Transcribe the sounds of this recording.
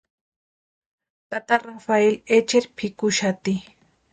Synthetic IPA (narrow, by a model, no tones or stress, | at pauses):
t̪at̪arafaelet͡ʃeɾpʰɪkʊʃat̪i